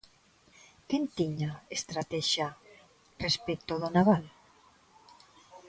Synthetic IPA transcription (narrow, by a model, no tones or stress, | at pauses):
kent̪iɲaest̪ɾat̪ɛʃa | respek̚t̪oðonaβal